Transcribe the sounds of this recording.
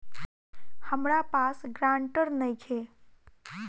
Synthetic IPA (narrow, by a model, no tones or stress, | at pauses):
həmɾapasɡɾãɳʈəɾnəjkʰe